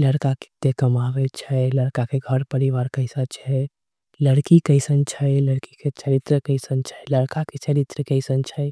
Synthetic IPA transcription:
ləɽkaki̥t̪ːekəmaʋɛt͡ʃʰɛləɽkakeɡʱəɾpəɾiʋaɾkəɪsat͡ʃʰɛ | ləɽkikəɪsənt͡ʃʰɛjləɽkiket͡ʃəɾit̪ɾəkəɪsənt͡ʃʰɛ̥ləɽkaket͡ʃəɾit̪ɾəkəɪsənt͡ʃʰə

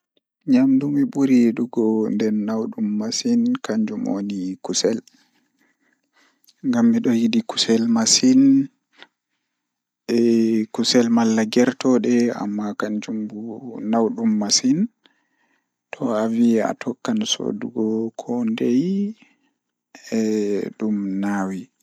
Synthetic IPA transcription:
ɲamdumiɓuɾiɗuɡɔndɛnːawɗumːasinkʰaɲd͡ʒumo̰nikusɛl | ŋɡamːiɗɔjidiku̥sɛlmasin | ɛkusɛlmalːaɡɛɾtɔɗɛa̰mːakaɲd͡ʒumbunawɗumːasin | tʰɔavia̰tʰɔkːanso̰duɡɔkʰɔndej | ɛɗumnawi

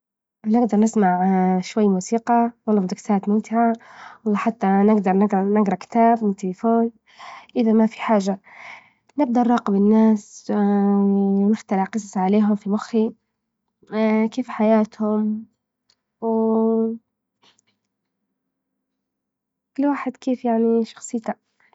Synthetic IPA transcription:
nɪɡd̪ɑɾˤnɪsmaʕʃwajːmuːsiːqɑwɑlˤːɑmd̪ɪksaːt̪mʊmt̪ɪʕawɑlˤːɑːħat̪ːanɪɡd̪ɑɾˤnɪɡɾɑnɪɡɾˤɑkɪ̥t̪aːbmɪnt̪ɪlɪfoːn | ʔɪðamafi̥ħaːʒa | nɪɡ̚d̪ɑɾˤːɑːqɪbɪnːaːs | nɪxt̪alɪʕqɨsˤɑsˤʕaleːɦʊmfimʊxːi | keːfħajaːt̪hʊm | w | kʊlːwaːħɪd̪keːfjaʕniʃɑ̥xsˤɨjːt̪a

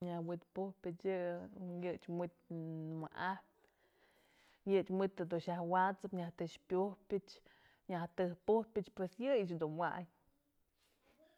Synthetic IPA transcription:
ɲahwit̪puhpʲɨt͡ʃɨjɨt͡ʃmɨt̪̚maʔahp | jɨʔt͡ʃmɨt̪ːɨd̪uʃahwat͡sɨpɲaht̪ɨt͡ʃpʲuhpʲɨt͡ʃ | ɲaht̪ɨhpuhpʲɨt͡ʃpwesjɨjɨt͡ʃd̪unwa̰ʔɲ

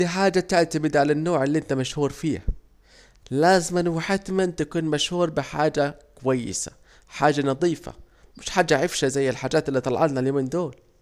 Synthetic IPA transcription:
iħaːd͡ʒat̪aʕt̪abɪd̪ʕalanːoːʕɪlːiʔɪnt̪amaʃhuːɾfiːha̰ | laːzɪmanwħat̪mant̪akuːnmaʃhuːɾˤbɪħaːd͡ʒakʊwajːɪ̰sḁ̰ | ħaːd͡ʒanɑðˤiːfa̰ | mɪʃħaːd͡ʒːaʕɪfʃazajːɪlħaːd͡ʒaːt̪ɪlːit̪ˤɑl̰ʕɑlnaljoːmiːnd̪oːl

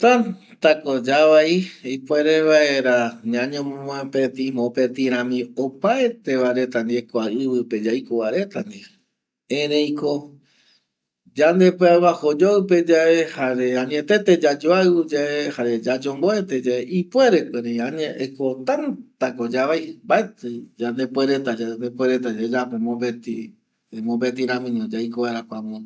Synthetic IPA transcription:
t̪ãn | t̪akod͡ʒaʋaiipwe̞ɾeβaeɾaɲãɲõmõmpet̪ĩmõpet̪ĩɾ̃ãmĩopaet̪eβaɾe̞t̪and̪iekoaɨβɨped͡ʒaikoβaɾe̞t̪and̪i | ẽɾẽj̃ko | d͡ʒand̪e̞pɨaβahod͡ʒoɨpe̞d͡ʒaʔehaɾeãɲẽt̪e̞t̪e̞d͡ʒad͡ʒoaɨud͡ʒaʔehaɾe̞d͡ʒad͡ʒomboet̪e̞d͡ʒaeʔipwe̞ɾekʷeɾeiãɲẽʔekot̪ãnt̪akod͡ʒaβajmbaet̪ɨd͡ʒand̪e̞pweɾe̞t̪ad͡ʒand̪epwe̞ɾe̞t̪̬ad͡ʒad͡ʒapomõmbet̪i | mõmbet̪iɾãmĩnõd͡ʒajkoβaɾakʷamõ

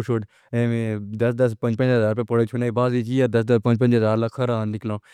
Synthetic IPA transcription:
ʃoːʈ | ẽːmẽːd̪ɐsd̪əspə̃ɲd͡ʒpə̃nd͡ʒɦəzaːɾpẽːpoɽet͡ʃʰʊnaːiːbaːziːt͡ʃiːəɾd̪ɐsd̪əspə̃ɲd͡ʒpə̃nd͡ʒɦəzaːɾləkʰːəɾãːnɪklãː

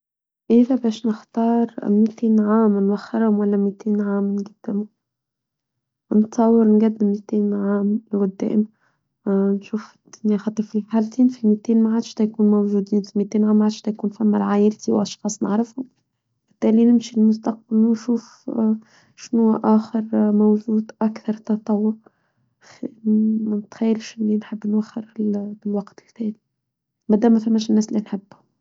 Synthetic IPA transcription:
ʔɪðæbæːʃnɪxt̪ɑːɾˤmiːt̪eːnʕaːmnwæxːɪɾhʊmwælːæmiːt̪eːnʕaːmnɡæd̪̥ːɪmʊ | nɪt̪sˤɑwːɑɾnɡæd̪ːɪmːit̪eːnʕaːmwʊd̪ːæ̰ːʔɪma | nʃuːfɪd̪̥ʊnjaxɑt̪ˤːɑɾˤfilħaːlt̪iːnfimiːt̪eːnmaʕaːd̪ʃt̪æjkuːnmowʒuːd̪iːnfimit̪eːnʕaːmːʕaːd̪̥ʃt̪æjkuːnfæmːæɾʕaːjɪlt̪iwʔɑʃxɑːsˤnɪ̰ʕɾɪfhʊm | b̥ɪt̪ːæːlinɪmʃilmʊst̪ɑq̚balwnʃuːf | ʃnuʔæːxəɾmowʒuːd̪ʔækθɑɾˤt̪ɑt̪ˤɑwːʊɾ | fimænt̪xæjːlʃʔɪlːinħɪbːnwæxəɾbɪlwɑqt̪ɪ̥lθæːli | mæd̪æːmːæfæmːæʃ̬ɪnːæːslinħɪbːhʊ

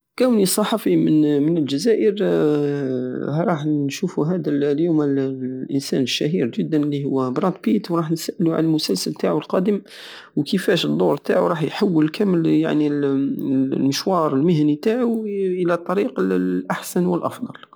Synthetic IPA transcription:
kæwnisˤɑħɑfimənmənəlʒæzæʔəɾ | ɾˤɑħnʃufuɦæd̪ælljumælʔənsæ̰nəʃːæɦiɾʒəd̪ːənəlːihʊwːæbɾˤɑ̃t̪̚pit̪wɾˤɑħnsæʔluʕa̰nəlmʊsælsəlt̪aʕulqɑd̪əm | wkəfæʃəd̪ˤːoɾˤt̪aʕṵɾˤɑħjħawːəlkæməlja̰ʕni | məʃwɑɾˤəlməhænit̪aʕuʔəlæt̪ˤːɑɾiqlːʔaħsænwəlʔɑ̰fd̪ˤɑl

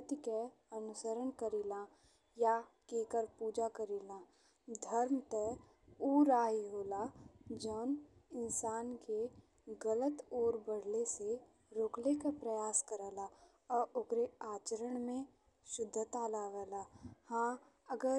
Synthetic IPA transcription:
t̪ike | ənʊsəɾənkəɾiːlãː | ja | keːkəɾpuːd͡ʒakəɾiːlãː | d̪ʱəɾmt̪ɛ | uːɾaːɦiɦoːlad͡ʒɔːn | ɪnsaːnke | ɡələt̪oːɾbəɽlese | ɾoːklekapɾəjaːskəɾɛːla | ɔːɾokɾeaːt͡ʃəɾəɳ̃mẽ | ʃʊd̪ʱːt̪aːlaːʋɛːlaːhãː | əɡəɾ

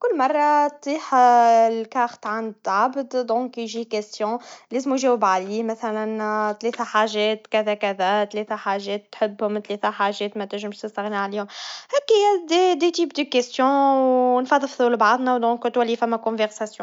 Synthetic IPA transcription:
kʊlːmɑrˤːɑt̪ˤːiːħlkɑxt̪ʕand̪ʕabd̪d̪ɔ̃ːkjʒikɛst̪jɔ̃lɛːzmujʒɛːwɪbʕaliːmæθælænt̪lɛːt̪æħaʒɛːt̪kæðækæðæt̪lɛːt̪æħaːʒɛːt̪ːħɪbːhʊmt̪lɛːt̪æħaːʒɛːt̪mæt̪ɪʒɪmʃt̪əst̪ɑɣnaʕaliːhʊmhɛːkːɪjæd̪ed̪et̪iːpd̪əkɛst̪jɔ̃wnfɑðˤfðˤulbɑʕðˤnæwd̪ɔ̃ːkt̪wælːifæmːækɔ̃vɛʁsasjɔ̃

